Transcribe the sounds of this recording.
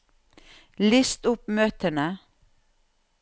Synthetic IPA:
lɪst̪ʊpmøːt̪ʰənə

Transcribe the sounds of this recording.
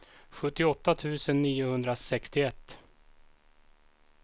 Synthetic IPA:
ɧɵt̪ːɪɔt̪ːat̪ʰʉ̟ːsənːiːʊhɵnd̪ɾasɛkst̪ɪɛt̪ː

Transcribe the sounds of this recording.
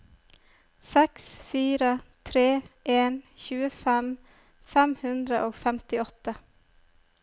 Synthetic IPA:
sɛksfiːɾət̪ʰɾeːʔeːnçʉːəfɛm | fɛmhʉnd̪ɾəʔoːfɛmt̪ɪɔt̪ə

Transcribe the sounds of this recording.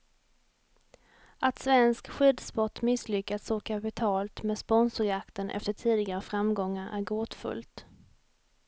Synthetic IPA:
ʔat̪svɛnskɧʏd̪spɔʈ̪ːmɪslʏkːat̪sɔkʰapɪt̪ʰɑːlt̪meːd̪spɔnsʊɾjakt̪ənʔɛ̰ft̪əʈʰiːd̪ɪɡaɾəfɾamɡɔŋːaɾʔæ̰ɾɡoːt̪fɵ̰lt̪

